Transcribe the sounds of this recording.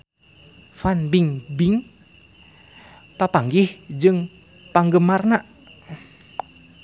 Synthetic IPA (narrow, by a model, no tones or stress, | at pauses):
fanbiŋbiŋ | papaŋɡihd͡ʒɨŋ | paŋɡəmarnaʔ